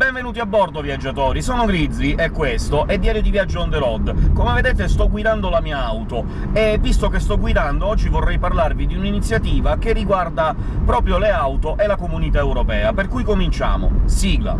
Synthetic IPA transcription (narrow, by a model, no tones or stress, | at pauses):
bɛɱvenuːt̪iabːɔrd̪ovjad͡ʒːat̪ɔːɾisɔːnoɡɾid̪zːiʔɛkːwest̪oʔɛd̪ːjaːɾjod̪ivjad͡ʒːond̪elɔd̪komeved̪et̪est̪ɔɡːwid̪and̪olamiːaawt̪o | evːist̪okest̪ɔɡwid̪and̪oɔd͡ʒːivorːɛjparlarvid̪iuninit̪sːjat̪iːvakerːiɡward̪a | pɾɔːpɾjoleawt̪oʔelakomunit̪aewɾopɛːaperkujkomint͡ʃa̰ːmo̰siːɡla̰